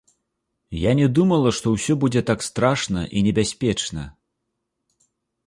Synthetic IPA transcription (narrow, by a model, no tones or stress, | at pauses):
janʲɛd̪umɐlˠɐʂt̪ɔwsʲɔbud͡zʲɛt̪akst̪ɾaʂnɐ̰ʔinʲɛbʲasʲpʲɛt͡ʂnɐ̰